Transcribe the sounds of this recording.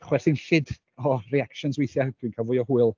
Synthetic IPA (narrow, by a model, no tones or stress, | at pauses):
χwɛrθɪnɬɪd | ɔriakʃɔnswejθjad̥winkʰalˠvʊɨɔhuɨlˠ